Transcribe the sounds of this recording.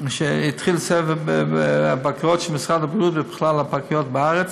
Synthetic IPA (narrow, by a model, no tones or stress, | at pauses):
ʃeitχilsɛvbapakijɔtʃɛmɪsʁadabʁijutbɪbɪχlalapakijɔt̚bɪaʁət͡s